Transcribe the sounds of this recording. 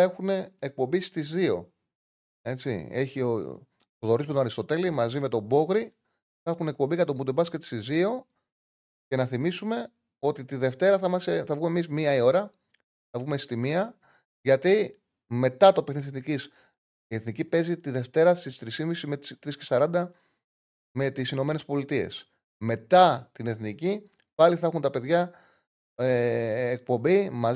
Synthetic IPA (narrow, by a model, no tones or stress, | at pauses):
ɐe̞xune̞ːk̚po̞mbist̪izðio̞̰ | e̞t͡sḭe̞çio̰ | t̪oðo̞ɾismet̪onɐɾist̪o̞t̪e̞limɐzime̞t̪o̞bo̞ɣɾi | θɐxune̞k̚po̞mbiɣɐɐobud̪ebɐscet̪i̥st̪izio̞ | ce̞nɐθimisume̞ | o̞t̪it̪iðe̞ft̪e̞ɾɐθɐimɐst̪eθɐvɣumemizmiɐio̞ɾɐ | θɐvɣumest̪imiɐ | ʝɐt̪i | me̞t̪ɐt̪o̞pexniðseθnicis | ie̞θnicipe̞zit̪iðe̞ft̪e̞ɾɐsist̪ɾisimisimet̪t̪ɾisce̞sɐɾɐnd̪ɐ | me̞t̪isino̞me̞ne̞spo̞lit̪ie̞̰s | me̞t̪ɐt̪ine̞θnici | pɐliθɐxunt̪ɐpe̞ðʝɐ | eːk̚po̞mbimɐ